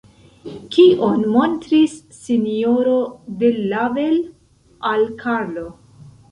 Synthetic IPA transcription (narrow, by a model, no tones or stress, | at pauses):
kiʔonmo̞ntɾisː | inio̞ɾodelavel | ʔalkʰaɾlo̞